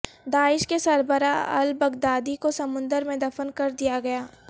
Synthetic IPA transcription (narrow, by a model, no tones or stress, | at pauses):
d̪aːɪʃkesɐɾbəɾaɐ̰lbɐɡd̪aːd̪ikosɐmʊ̃nd̪əɾmẽd̪ɐfənkɐɾd̪ijaɡɐjaː